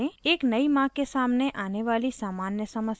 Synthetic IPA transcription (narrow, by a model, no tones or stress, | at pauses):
ẽeːknəimãːkːesaːmneʔaːneʋaːlisaːmaːnjəsəməs